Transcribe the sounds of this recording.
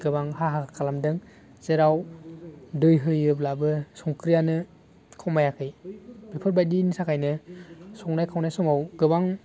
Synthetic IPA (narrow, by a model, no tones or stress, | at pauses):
ɡ̥ɯbaŋhaɦakʰalamdɯŋ | z̥eɾaw | dɯjɦɯjɯblabɯsɔŋkʰɾijanɯ | kʰawmajakʰɯjbepʰɯɾbajdinisakʰajnɯsɔŋnajkʰawnajsɔŋawɡɯbaŋ